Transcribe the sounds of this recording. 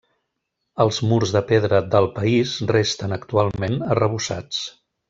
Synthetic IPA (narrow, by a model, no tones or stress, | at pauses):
əlˠzmuɾzðəpeðɾəd̪əlˠpəizrest̪ənəkt̪ualˠmenərəβ̞usa̰t͡s